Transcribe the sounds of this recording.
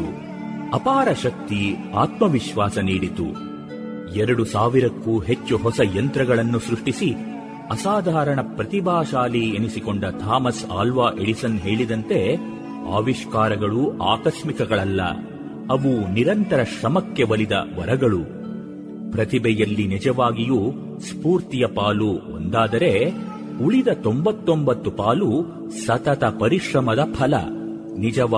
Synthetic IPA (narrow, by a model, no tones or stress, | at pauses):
ɐpaːɾɐʃɐk̚t̪iaːt̪mɐʋiʃʋaːsɐniːɽit̪ṵ | ɛɾɐɽusaːʋiɾɐkːuːɦet͡ʃːuɦɔsɐjɐnt̪ɾɐɡɐɭɐnːusɾuʂʈisi | ɐsaːd̪ʱaːɾɐɳɐpɾɐt̪ibʱaːʃaːlienisikoɳɖɐt̪ʰaːmɐsa̰ːlʋaːʔeɽisɐnɦe̞ːɭid̪ɐnt̪e̞ | a̰ːʋiʃkaːɾɐɡɐɭuaːkɐʃmikɐɡɐɭɐlːɐ̰ | ɐʋuniɾɐnt̪ɐɾɐʃɾɐmɐkːe̞ʋɐlid̪ɐ̰ʋɐɾɐɡɐɭu | pɾɐt̪ibɛjɐlːinid͡ʒɐʋaːɡiju | spuːɾt̪ijɐpaːluo̰nd̪aːd̪ɐɾe̞ | uɭid̪ɐt̪o̞mbɐt̪ːo̞mbɐt̪ːupaːlu | sɐt̪ɐt̪ɐpɐɾiʂɾɐmɐd̪ɐpʰɐlɐ̰ | nid͡ʒɐʋ